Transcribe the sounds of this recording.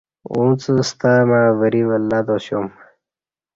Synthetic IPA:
ũːt͡səst̪amaːʋəɾiʋɐlːaːd̪oɕjom

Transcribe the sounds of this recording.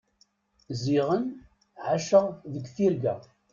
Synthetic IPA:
ziʁən | ʕaʃəʁðəɡʷθiɾɡæ̰

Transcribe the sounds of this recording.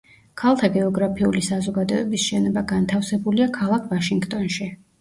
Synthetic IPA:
kʰalˠt̪ʰaɡɛɔɡɾapʰiulisazɔɡad̪ɔɛbisʃɛnɔbaɡant̪ʰafsɛbuliakʰalˠakʰvaʃiŋɡt̪ʼɔnʃi

